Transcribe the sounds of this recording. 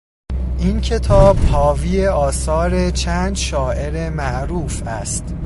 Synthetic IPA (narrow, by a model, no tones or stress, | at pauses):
ʔincʰe̞t̪ʰɒːb̥hɒːvijeɒːsɒːɾet͡ʃʰæːnd̪ʃɒːʔe̞ɾemæʔɾuːfæst̪